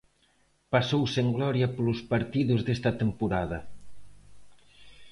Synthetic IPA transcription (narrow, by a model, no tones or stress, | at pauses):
pɐsowseŋɡlɔɾjɐpluspɐɾt̪iðuzðest̪ɐt̪empuɾaðɐ